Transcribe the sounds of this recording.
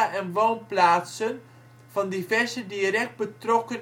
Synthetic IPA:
aʔɛnʋownplaːtsən | v̥ɑndivɛrzədiɾɛk̚t̚bətrɔkən

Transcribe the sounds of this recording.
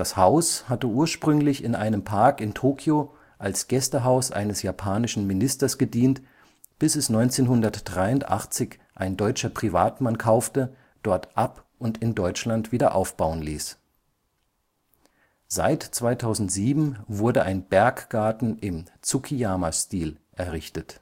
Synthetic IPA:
d̥ashaʊshatəʔuːɐʃpʁ̥ʏŋlɪçɪnʔaɪnəmpʰaɐkɪntʰoːkʰjo | ʔalsɡ̥ɛstəɦaʊsʔa̰ɪnəsjapʰaːnɪʃn̩mɪnɪstɐsɡ̥ədiːnt | b̥ɪsɛsnɔʏnt͡seːnɦʊndɐtd̥ʁaɪʊntʔa̰χt͡sɪç | ʔaɪndɔʏt͡ʃɐpʁ̥iva̰ːtmankʰaʊftə | d̥ɔɐtʔapʔʊntɪndɔʏt͡ʃlantv̥iːdɐʔaʊfb̥aʊənlḭːs | z̥a̰ɪtt͡sv̥aɪtʰaʊzn̩tz̥iːbm̩vʊɐdəʔaɪnbɛɐkɡ̥aɐtn̩ʔɪmt͡sukʰijaːmastiːlʔɛɐʁɪçtət

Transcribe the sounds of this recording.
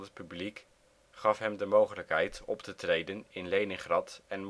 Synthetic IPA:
ət̚pyblik | χɑfɦɛmdəmowχələkɦɛjtɔptətrejdənɪnlejnəŋχrɑtɛnm

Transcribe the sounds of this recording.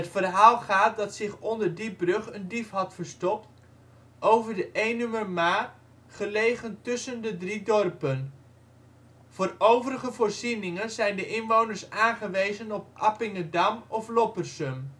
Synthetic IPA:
ətfərɦaːlˠχaːt̚dɑtsɪχɔndəɹdibrɵχəndifɦɑtfəɹstɔpt | ʔowvəɹdəʔejnʏmərmaː | χəlejχəntɵsəndədridɔrpən | v̥oːrowvəɾəχəvʊːɹzinɪŋənzɛjndəʔɪnʋownəɹsaːnχəʋejzənɔp̚ʔɑpɪŋədɑmɔflɔpərsɵm

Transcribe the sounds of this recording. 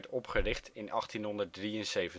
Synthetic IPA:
ɹtɔpχərɪχtɪnɑχtinɦɔndəɹdriənsejvən

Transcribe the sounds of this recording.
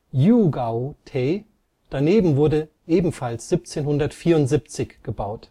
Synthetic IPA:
juɡaʊtʰeː | d̥aneːbm̩vʊɐdə | ʔeːbm̩falsz̥ip̚t͡seːnhʊndɐtfiːɐʊntz̥ip̚t͡sɪçɡ̥əbaʊt

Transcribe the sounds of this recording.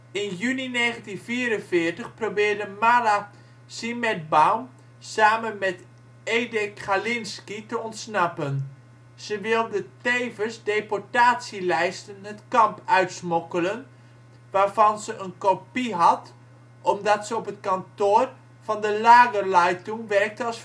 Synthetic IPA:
ɪnjynineːɣəntinfiːɾənvɪərtəχprobɪːrdəmala | simɛd̚bawm | saːmənmɛt | eːdɪkχalɪnskitəɔntsnɑpən | z̥əʋɪlˠdətejvəsdepɔɹtaːtsilɛjstənətkɑmpœɥtsmɔkələn | ʋaːrvɑnzəʔənkopiɦɑt | ʔɔmdɑtsəɔpətkantoːr | fɑndəlaːɡərlajtuŋʋɛrk̚təɑs

